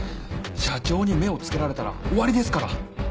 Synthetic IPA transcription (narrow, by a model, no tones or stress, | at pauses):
ɕat͡ɕo̞ːɲ̟ime̞o̞t͡sɨ̥ke̞ɾaɾe̞t̪aɾa̰o̞βaɾʲid̪e̞sɨ̥kaɾa